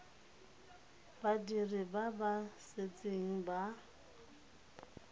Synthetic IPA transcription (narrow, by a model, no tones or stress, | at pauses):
badiribabaset͡sʼeŋ̩ba